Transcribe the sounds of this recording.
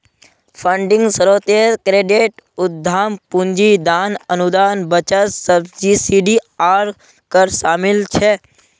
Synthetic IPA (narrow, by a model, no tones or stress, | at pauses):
pʰəɳɖɪ̃ŋɡsəɾoːt̪eɾkɾeːɖeʈʊd̪ʱːaːmpũɲd͡ʒid̪aːnənud̪aːnbət͡ʃəsəbd͡ʒisiɖiaːɾ | kəɾʃaːmɪlt͡ʃʰe